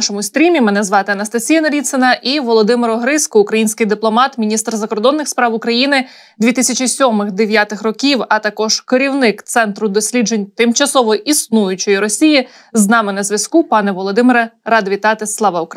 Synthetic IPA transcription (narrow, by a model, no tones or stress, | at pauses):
nʃɔmʊsʲt̪ʲɾʲimʲimɛnɛzʋɑt̪ɪɐnɐst̪ɐsʲijɐnɐlʲit̪senɐʔiʋɔlˠɔd̪ɪmeɾɔɦɾɪskɔʊːkɾɐjinʲsʲkɪjd̪ɪplˠɔmɑt̪mʲinʲist̪rzɐkɔrd̪ɔnːɪxspɾɑwʊkɾɐjinɪ | d̪ʲʋʲit̪ɪsʲɐt͡ʃisʲɔmɪxd̪eʋʲjat̪ɪxrɔkʲiwɐt̪ɐkɔʒ̥keɾʲiwnɪkt̪sɛnt̪ɾʊd̪ɔsʲlʲid͡ʒenʲt̪ɪmt͡ʃɐsɔʋɔʔisnujʊt͡ʃɪjiɾɔsʲiji | znɑmɪnɐzʲʋʲɐskupɑnɛʋɔlˠɔd̪ɪmɪɾɐɾɑd̪ʋʲit̪ɑt̪ɪslˠɑʋɑʊk